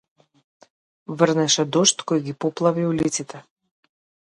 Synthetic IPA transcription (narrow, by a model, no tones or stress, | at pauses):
vrnɛʃɛd̪ɔʃt̪kɔjɡipɔplˠaviulit̪sit̪ʰɛ